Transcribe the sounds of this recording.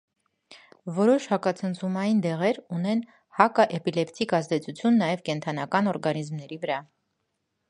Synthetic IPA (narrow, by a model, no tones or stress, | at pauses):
vɔɾɔʃhɑkɑt͡sʰənt͡sʰumɑjind̪ɛʁɛɾunɛn | hɑkɑʔɛpilɛpt̪ʰikɑzd̪ɛt͡sʰut͡sʰjunːɑjɛvkɛnt̪ʰɑnɑkɑnɔɾɡɑnizmnɛɾivəɾɑ